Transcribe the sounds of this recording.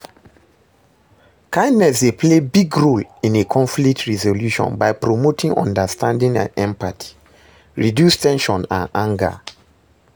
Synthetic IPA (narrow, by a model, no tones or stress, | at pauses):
kãɪ̃ndnɛsdepʰlebiɡɹolĩnekʰɔ̃ɱflik̚tʰɹɛzoljuʃɔ̰̃nbaɪpɹomotĩŋʔɔ̰̃ndəstãndĩŋã̰nɛ̃mpatʰi̥ | ɹidjustɛ̃nʃɔ̃nã̰nãŋɡə̰